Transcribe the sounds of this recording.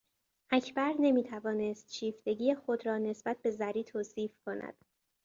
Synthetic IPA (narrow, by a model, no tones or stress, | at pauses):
ʔæcʰbæɾne̞miːt̪ʰævɒːnest̪ʃiːft̪e̞ɟiːjexo̞d̪ɾɒːne̞sb̥æt̪̚be̞zæɾiːt̪ʰoːsiːfkʰo̞næ̰d̪̥